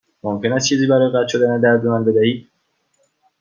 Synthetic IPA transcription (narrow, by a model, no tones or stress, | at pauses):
momkʲʰe̞næst͡ʃʰiːziːbæɾɒːjeɡæt̪ʰʃo̞d̪æned̪æɾd̪onanbe̞d̪æhiːd̪̥